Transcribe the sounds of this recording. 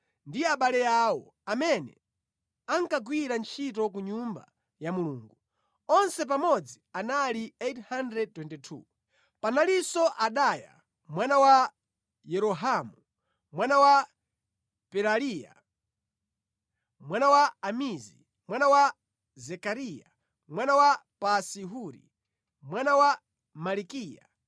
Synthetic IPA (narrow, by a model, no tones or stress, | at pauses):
ndiaɓalɛjaːwɔ̰ | amɛnɛ̰ | aŋkaɡwiɾant͡ʃʰitɔk̬uɲumba̰ | jamuluːŋɡu | ɔnsɛp̬amɔd͡zianaliethandɾɛd̚twɛntɛtʰṵ | panalisɔʔaɗaja̰ | mwanawa | jɛɾɔɦamu | mwanawa | pɛɾalija̰ | mwanawaːmizi | mwanawa | zɛkaɾija̰ | mwanawapasiɦuɾḭ | mwanawa | malikiːja̰